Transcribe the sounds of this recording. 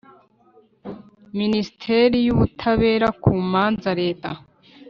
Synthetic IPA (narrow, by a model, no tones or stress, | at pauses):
minisi̥tʰeɾijuβutʰaβe̞ːɾakʰuːmaːnzaɾe̞ːta̰